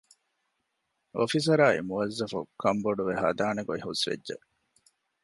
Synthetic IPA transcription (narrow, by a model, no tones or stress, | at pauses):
ofis̬ɐɾaːḭmuɐzːɐfukʰːɐmboɖuʋeɦɐ̰d̪aːneɡoiɦusʋḛdːʒḛ